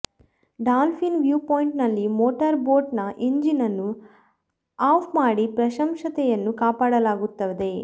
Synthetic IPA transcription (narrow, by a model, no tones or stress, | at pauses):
ɖaːlpʰinʋjuːpoːjiɳʈnɐlːimoːʈɐɾboːʈnɐʔiɲd͡ʒinɐnːu | aːpʰmaːɽipɾɐʃɐmʂɐt̪ɛjɐnːukaːpaːɽɐlaːɡut̪ːɐʋd̪e